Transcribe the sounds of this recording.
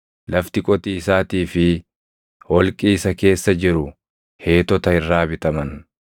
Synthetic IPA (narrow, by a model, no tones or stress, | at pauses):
lɐft̪ɪkʼɔt̪iːɪsaːt̪iːfɪ | wɔlkʼiːɪsɐke̞ːsːɐd͡ʒɪɾʊ | he̞ːt̪ɔt̪ɐɪrːaːbɪt̪ɐmɐn